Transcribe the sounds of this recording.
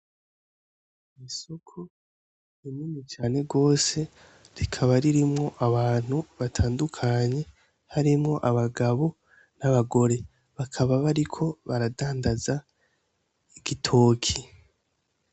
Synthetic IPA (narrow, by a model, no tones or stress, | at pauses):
isukʰu | iminit͡ʃaːne̞ɡo̞ːse̞ | ɾikʰaβaɾiɾimŋo̞ʔaβaːn̥huβatʰaːndukʰaɲe̞ | haɾimŋo̞ʔaβaɡaβo̞ | naβaɡo̞ɾe̞ | βakʰaβaβaɾikʰo̞βaɾadaːndaza | iɡ̥itʰo̞ːkʰi